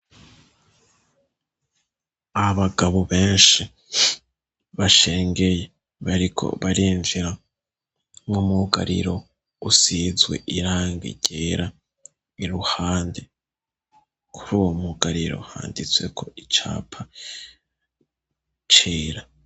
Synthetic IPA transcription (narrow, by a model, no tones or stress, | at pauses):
aβaɡaβoβe̞ːnʃi | βaʃe̞ːŋɡe̞je̞ | βaɾikʰo̞̰βaɾiːɱviɾa | ŋumuɡa̰ɾḭɾo̞ | usizwe̞̰ʔiɾaːŋɡḭɟ̥eɾa | iɾuhaːnde | kʰuɾuːwo̞muɡaɾiɾo̞̰ha̰ːndit͡swe̞kʰo̞it͡ʃa̰ːpʰa | t͡ʃeːɾa